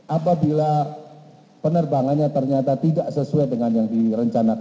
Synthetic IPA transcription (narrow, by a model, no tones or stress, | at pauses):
ʔapabila | pənərbaŋanɲat̪ərɲat̪at̪idaʔsəsuadəŋanjaŋdiɾəɲt͡ʃanak